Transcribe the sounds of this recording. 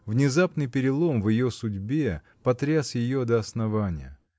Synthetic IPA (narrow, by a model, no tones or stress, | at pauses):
vnʲɪzapnɨjpʲɪɾʲɪlˠo̞mvjɪjo̞sʊdʲbʲe̞ | pɐt̪ɾʲasjɪjod̪əɐsnɐvanʲɪ̰jə